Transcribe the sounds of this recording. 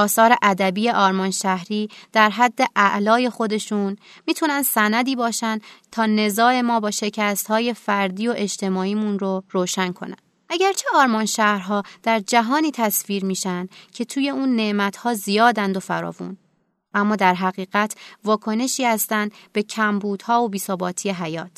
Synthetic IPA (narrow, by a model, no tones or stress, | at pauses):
ɒːsɒːɾe̞ʔæd̪æbije̞ʔɒːɾmɒːnʃæhɾiːd̪̥æɾɦæd̪ːe̞ʔæʔlɒːje̞xo̞d̪e̞ʃun | miːt̪ʰunænd̪sænæd̪iːbɒːʃænt̪ʰɒːne̞zɒːe̞mɒːbɒːʃe̞cʰæst̪hɒːje̞fæɾd̪iːo̞ʔe̞d͡ʒt̪ʰe̞mɒːiːmunɾo̞ɾoːʃænkʰo̞̰næ̰n̥ʔæɟæɾt͡ʃʰe̞ɒːɾmɒːnʃæhɾɦɒːd̪̥æɾd͡ʒæɦɒːniːt̪ʰæsviːɾmiːʃænd̪̥cʰe̞t̪ʰuːje̞uːnːe̞ʔmæt̪hɒːzijɒːd̪ænd̪o̞fæɾɒ̰ːvṵn | ʔæmːɒːd̪æɾɦæɣiːɣæt̪ʰvɒːkʰo̞ne̞ʃiːhæst̪ænd̪be̞cʰæmbuːd̪̥hɒːobiːsobɒːt̪ʰiːje̞ɦæjɒːt̪ʰ